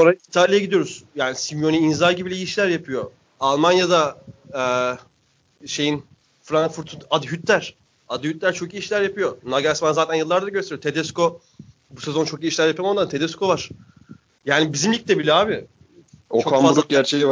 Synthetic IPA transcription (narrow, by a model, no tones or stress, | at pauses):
oɾait̪ʰalʲijaɟid̪ijo̞ɾuz̥jaːnisimjo̞niːnzaɾɟibilʲiiʃlʲæɾjapʰɯjo̞ | alˠmanjad̪aɛː | ʃe̞jin | fɾaŋkfuɾt̪ʰunad̪ɯɦyt̪ːæɾ̥ | ad̪ɯhyt̪lʲæɾt͡ʃʰo̞kiːiʃlʲæɾjapʰɯjo̞naɡasmanzaːt̪ʰænjɯlˠːaɾd̪aɟøseɾjot̪ʰe̞d̪ɛsko̞ | buse̞zo̞nt͡ʃʰokiːiʃlʲæɾjapijamond̪ant̪ʰe̞d̪ɛskʰo̞vaɾ̥ | jaːnibizimlʲicʲt̪ɛbilʲɛaːbɪ | ot͡ʃokʰamauɾuk̚ɟæɾt͡ʃʰeji